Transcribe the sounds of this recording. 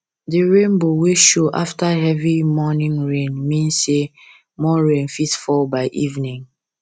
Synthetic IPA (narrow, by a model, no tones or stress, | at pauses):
diɹẽnboweʃoʔaftaɦɛvimɔnĩŋɹẽnmĩnse | mɔɹẽnfitfɔlbaɪʔivnĩŋ